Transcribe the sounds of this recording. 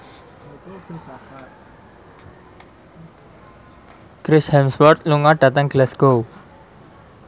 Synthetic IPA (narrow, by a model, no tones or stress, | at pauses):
kɾɪshɛmswɔrt̪̚luŋaɖ̥ä̤t̪əŋɡlɛsɡ̥ow